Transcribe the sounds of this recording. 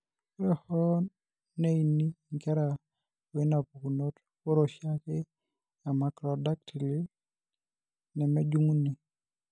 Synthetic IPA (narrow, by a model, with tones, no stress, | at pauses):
ɾɛ˦hɔ˦ | ne˦i˨ni˦ŋkɛ˦ɾa˨ | o˨i˦na˨pu˨ku˨no˦t | o˦ɾo˨ʃjakɛ˦ | ja˨ma˨kɾɔda˦k̚tʰi˨li˦ | nɛ˨mɛ˦d͡ʒu˦ŋu˦ni˨